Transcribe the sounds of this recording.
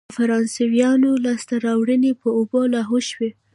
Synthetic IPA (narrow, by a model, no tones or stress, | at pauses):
faɾɑnsewjɑnolɑst̪aɾɑwɽənepəobolɑɦoʃwe